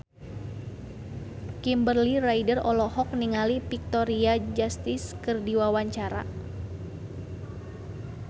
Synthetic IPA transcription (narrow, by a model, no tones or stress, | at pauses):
kimbərliraidərɔlɔhɔk̚niŋalipik̚t̪ɔɾiad͡ʒast̪ɪskɨrdiwawaɲt͡ʃaɾa̰